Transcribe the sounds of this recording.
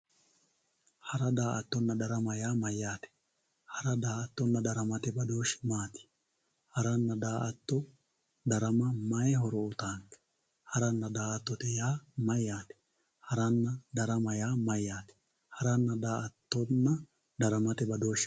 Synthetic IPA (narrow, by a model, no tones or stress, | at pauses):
hɐɾɐd̪aːʔɐt̪ːɔnːɐd̪ɐɾɐmɐjaːmɐjːaːt̪ɛ̥ | hɐɾɐd̪aːɐt̪ːɔnːɐd̪ɐɾɐmɐt̪ɛbɐd̪oːʃmaːt̪ɪ̥ | hɐɾɐnːɐd̪aːʔɐt̪ːɔ | d̪ɐɾɐmɐmɐjɦɔɾɔʊt̪aːŋkɛ̥ | hɐɾɐnːɐd̪aːʔɐt̪ːɔt̪ɛjaːmɐjaːt̪ɛ̥ | hɐɾɐnːɐd̪ɐɾɐmɐjaːmɐjːaːt̪ɛ̥ | hɐɾɐnːɐd̪aːʔɐt̪ːɔnːɐ | d̪ɐɾɐmɐt̪ɛbɐd̪oːʃ